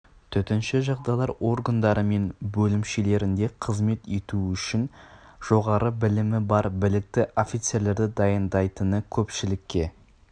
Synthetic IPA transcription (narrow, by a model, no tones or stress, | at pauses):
t̪ʰʏt̪ɪnʃɪʒɑʁd̪ɑjlˠɑɾo̞ɾɡand̪ɑɾəme̞nbɵlɪmʃe̞le̞ɾɪnd̪e̞qʰəzme̞t̪e̞t̪uʏʃɪnʒ̥o̞ʁɑɾəbɪlɪmɪbɑɾbɪlɪk̚t̪ɪʔo̞fijt̪se̞ɾle̞ɾd̪ɪd̪ɑjənd̪ɑjt̪ənəkʲʰɵpʃɪlɪkʲːe̞